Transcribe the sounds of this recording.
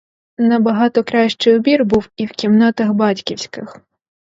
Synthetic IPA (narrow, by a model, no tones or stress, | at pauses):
nɐbɐɦɑt̪ɔkɾɑʃt͡ʃɪjɔbʲirbuwiwkʲimnɑt̪ɐxbɑtʲkʲiwsʲkɪx